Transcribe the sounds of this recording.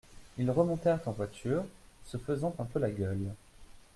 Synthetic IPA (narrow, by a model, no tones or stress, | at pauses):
ilʁəmɔ̃t̪ɛʁt̪ɑ̃vwat̪yʁsəfəzɑ̃t̪ɛ̃pølaɡʲœl